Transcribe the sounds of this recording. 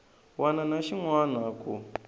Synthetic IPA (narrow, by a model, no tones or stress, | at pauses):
wananaʃiŋwanakʰu